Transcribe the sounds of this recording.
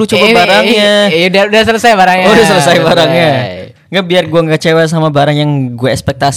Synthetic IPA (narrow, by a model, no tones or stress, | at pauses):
lut͡ʃobabaɾaŋɲadaudasələsajbaɾaŋɲodasələsajbaɾaŋɲa | ŋɡabiarɡuaŋɡat͡ʃewas̬amabaɾaŋjaŋɡuaɛkspɛk̚t̪as